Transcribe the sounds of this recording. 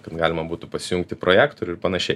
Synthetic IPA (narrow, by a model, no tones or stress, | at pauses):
kɐt̪ɡɑːlʲɪmɐbuːt̪ʊpɐsʲɪjʊŋk̚t̪ʲɪpɾoːjæːkt̪oɾʲʊɪɾpɐnɐʃʲɛɪ